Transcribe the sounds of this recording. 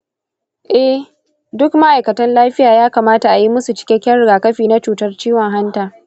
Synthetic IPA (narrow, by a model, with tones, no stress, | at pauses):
ʔɛ˦ | dʊ˦kma˦ʔa˨jkɐ˨tɐ˦nlaː˦ɸɪ˦jaː˨jaː˦kaː˨maː˦ta˨ʔa˨ji˦mʊ˦su˨t͡ʃɪ̥˦kʲɛ˦kʲɛ˦nɽɪ˨ɡaː˨kɐ˦ɸiː˨na˦t͡ʃuː˨tɐ˦rt͡ʃiː˦wɔ˨ŋɦa˦ntaː˨